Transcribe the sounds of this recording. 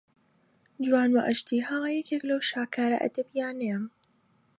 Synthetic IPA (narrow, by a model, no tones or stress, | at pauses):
d͡ʒuwaːnwɐʔɐʃd̪iːhaːjɛkeːklɐwʃaːkaːɾɐ̰ʔɐ̰d̪ɐbijaːnem